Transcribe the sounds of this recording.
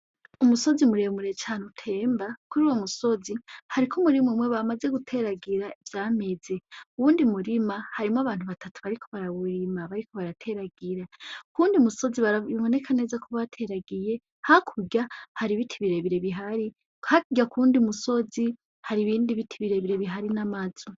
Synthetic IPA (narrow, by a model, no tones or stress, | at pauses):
umuso̞zimuɾe̞muɾe̞t͡ʃaːnutʰe̞ːmbakuɾiwomuso̞zihaɾikʰomuɾimumweβamaze̞ɡutʰe̞ɾaɡiɾaivjaːme̞ze̞uβuːndimuɾimahaɾimoaβaːn̥huβatʰatʰu̥βaɾikʰo̞βaɾaβuɾimaβaɾikʰo̞βaɾatʰe̞ɾaɡiɾakuːndiumuso̞ziβaiβo̞ne̞kʰane̞zakʰoβatʰe̞ɾaɡije̞ | hakʰuɟahaɾiβitʰiβiɾe̞βiɾe̞βiɦaɾi | khakiɡakuːndiumuso̞zi | haɾiβiːndiβitʰiβiɾe̞βiɾe̞βiɦaɾinamazo